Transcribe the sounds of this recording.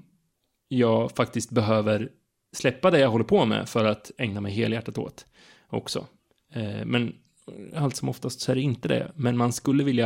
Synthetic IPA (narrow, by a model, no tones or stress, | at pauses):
jɑːɡfak̚t̪ɪst̪̚bɛɦøːvəɾ | slɛpːad̪ɛjaɦɔlːəɾpʰɔmɛ̰fœɾat̪ɛŋnamɛjɦeːljæʈːat̪o̰ːt̪ | ʔɔ̰ksɔ̰ | mɛn | alt̪sɔmɔft̪ast̪sɔæɖɛɪnt̪əd̪ɛ̰mɛnmanskɵlːəvɪlja